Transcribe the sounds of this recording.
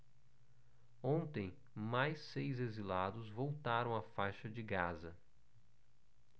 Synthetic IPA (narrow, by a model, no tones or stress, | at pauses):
õnt̪ẽj̃ | majsejzezilad̪ʊzvowt̪aɾɐ̃w̃afajʃɐd͡ʒɪɡazɐ